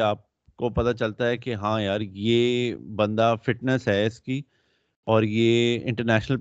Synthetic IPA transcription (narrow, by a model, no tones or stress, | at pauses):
aːp̚ | kopɐt̪at͡ʃɐlt̪aɦɛkeɦãːjaːɾjeːbɐ̃nd̪afɪʈnəsɦɛɪski | ɔːɾjeːɪ̰̃ɳʈəɾnɛːʃnəl